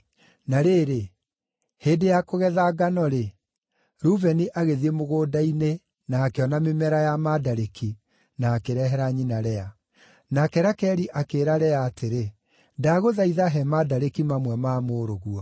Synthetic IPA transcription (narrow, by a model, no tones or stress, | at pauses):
naɾeːɾe | heːdejakoɣɛðaɡanɔɾe | ɾuvɛniʔaɣeðiemoɣoːdaine | naːkeɔnamemɛɾajamadaɾeki | naːkeɾɛɦɛɾaɲinaɾɛa | nakɛɾakɛɾiʔakeːɾaɾɛaːtʰeɾe | daɣoðaiðaɦɛmadaɾekimamwɛmamoːɾoɣuɔ